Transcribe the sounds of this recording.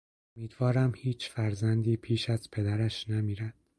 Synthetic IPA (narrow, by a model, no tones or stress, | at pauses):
omiːd̪vɒːɾæmhiːt͡ʃʰfæɾzænd̪iːpʰiːʃæzpʰe̞d̪æɾæʃnæmiːɾæd̪̥